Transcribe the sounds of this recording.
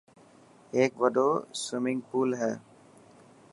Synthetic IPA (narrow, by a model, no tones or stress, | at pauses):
eːkʋəd̪oːswɪmɪ̃ŋɡ̚puːlɦɛː